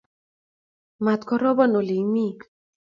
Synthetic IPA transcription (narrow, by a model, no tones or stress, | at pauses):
mat̪kʰɔɾɔbɔnolimi